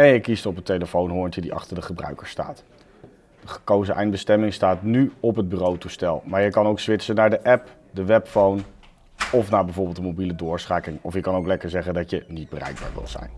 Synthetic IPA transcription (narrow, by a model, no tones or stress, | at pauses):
ejəkistɔpəntejləfownɦʊːɹntədiʔɑ̰χtəɹdəχəbrœ̰ɥkəɹsta̰ːt | d̥əχə̥kowzəʔɛjndbəstɛmɪŋstaːtnyɔpɦəd̚byrowtustɛlˠmaːɹjəkɑnowksʋɪtsənaːɹdəʔɛp | dəʋɛpfown | ɔfnaːɹbɛjvʊːɹbɪːlˠtdəmowbilədʊːɹsχaːkɪŋɔfjəkɑnowklɛkəɹzɛχəndɑtjənid̚bərʔɛ̰jɡ̚ba̰ːɹʋɪ̰lˠz̥ɛ̰jn